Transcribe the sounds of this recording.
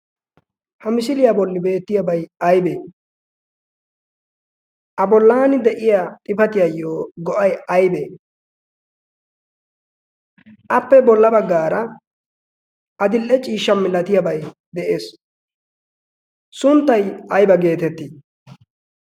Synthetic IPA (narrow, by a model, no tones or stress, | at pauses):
hɐmɪsɪlɪjabɔlːɪbe̞ːt̪ːɪjɐbɐjɐjbeː | ʔɐbɔlːaːnɪd̪ɛʔɪjat̪ʼɪfɐt̪ɪjɐjːoːɡɔʔɐjɐjbeː | ʔɐpːɛbɔlːɐbɐɡːaːɾɐ | ʔɐd̪ɪlʔːɛt͡ʃʼiːʃːɐmːɪlɐt̪ɪjɐbɐj | d̪ɛʔeːs | sʊnt̪ːɐjɐjbɐɡe̞ːt̪ɛt̪ːi